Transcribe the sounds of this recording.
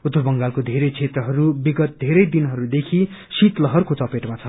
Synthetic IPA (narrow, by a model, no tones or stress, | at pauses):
ut̪ːʌrbʌŋɡalkod̪ʱeɾʌjt͡sʰet̪rʌɦʌɾubiɡʌt̪̚d̪ʱeɾʌjd̪inɦʌɾud̪ekʰi | sit̪lʌɦʌrkot͡sʌpeʈmat͡sʰʌ